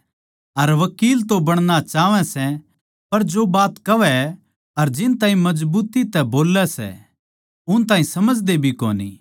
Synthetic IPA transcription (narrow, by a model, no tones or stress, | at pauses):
ɐɾʋɐkiːlt̪obɐɽ̃nat͡ʃaːʋɛ̃sɛ | pɐɾd͡ʒobaːt̪kɐʋɛ | ɐɾd͡ʒɪnt̪aːɦĩmɐd͡ʒbuːt̪it̪ɛboːlɛsɛ̰ | ʊnt̪aːɦĩsɐməd͡ʒd̪ebʱiko̰ːnḭː